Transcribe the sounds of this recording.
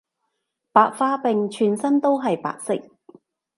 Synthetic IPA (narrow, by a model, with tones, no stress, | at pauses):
paː˨k̚faː˧pɪ˨ŋt͡ʃʰyː˨˩nsɐ˥nt̪o˥wɦɐ˨jpa̰ː˨k̚sɪ̰˥k̚